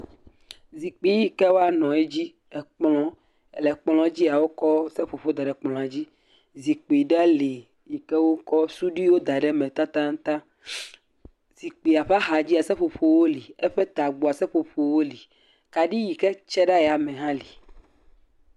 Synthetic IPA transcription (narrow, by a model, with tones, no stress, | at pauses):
zi˨k͡pi˨ji˦kɛ˦wo˦a˨nɔ̃˨e˦d͡ʑi˦ | ɛ˨k͡plɔ̃˦ | ɛ˨lɛ˨k͡plɔ̃˦d͡ʑi˦a˨wo˦kɔ˦sɛ˦ɸo˨ɸo˦d̪a˨ɖɛ˨k͡plɔ̃˨a˨d͡ʑi˦ | zi˨k͡pi˨ɖa˦li˨ | ji˨kɛ˦wo˦kɔ˦su˦ɖi˦wo˦d̪a˨ɖɛ˨mɛ̃˨t̪a˦t̪ã˦ŋ̩˦t̪ã˦ | z̥i˨k͡pi˨a˨ɸa˦ɦa˨d͡ʑi˦a˨sɛ˦ɸo˨ɸo˦wo˦li˨ɛ˦ɸɛ˦t̪a˨ɡ͡bo˨a˨sɛ˦ɸo˨ɸo˦wo˦li˨ | ka˨ɖi˦ji˨kɛ˦t͡ʃɛ˦ɖa˦ja˨mɛ̃˨ɦã˦li˨